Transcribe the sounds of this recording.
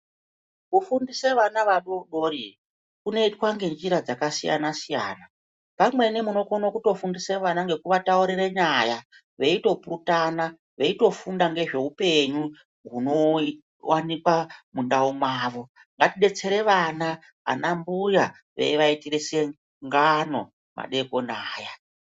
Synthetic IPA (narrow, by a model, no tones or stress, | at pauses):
kufundiseʋanaʋaɗoɗo̞ri | kune̞itwaŋɡe̞nd͡ʒiɾad͡zakasija̰nasija̰ːna | pamwe̞ne̞muno̞konokuto̞fundiseʋanaŋɡe̞kuʋatauɾireɲaja | ʋe̞ito̞purutana | ʋe̞ito̞fundaŋɡe̞ʐe̞upe̞ɲu | ɦuno̞ | wanikwamundaumwaːʋo̞ | ŋɡatiɗe̞t͡se̞ɾe̞ʋana | a̰nambuja | ʋḛiʋaitirese | ŋɡano̞̰ | ma̰ɗe̞ko̞naːja